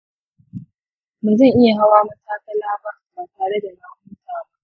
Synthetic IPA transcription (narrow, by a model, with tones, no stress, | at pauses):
mʊ˨nzɐ˦˨ŋʔɪ˦ja˨ɦa˦waː˦mɐ˦taː˦kɐ˦laː˦baː˦baː˨taː˨ɽe˦da˨ma˦ʔʊ˦taː˦ma˦